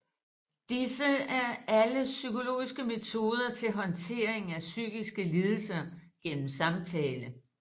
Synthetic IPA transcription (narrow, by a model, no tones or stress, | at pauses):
d̥isəæɐæləsykʰo̝lo̝̰ːisɡ̥əme̝t͡sʰo̝ːð̞ˠɐt͡sʰe̝lɦɒ̽nt͡sʰe̝̰ːɐeŋæsy̰ɡ̥isɡ̥əliːð̞ˠl̩sɐɡ̥en̰m̩sɑ̈mt͡sʰɛːlə